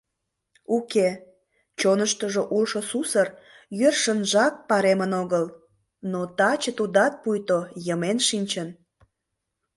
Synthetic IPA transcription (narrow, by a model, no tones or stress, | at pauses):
uke | t͡ɕonəʃt̪əʒoʔulʃosusər | jørʃənʒɑk̚pɑɾemənoɣəl | not̪ɑt͡ɕət̪ud̪ɑt̪̚pujt̪ojəmenʃinʲt͡ɕən